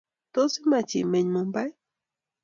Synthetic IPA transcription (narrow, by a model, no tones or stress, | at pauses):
t̪osimat͡ʃḭmeɲmombaj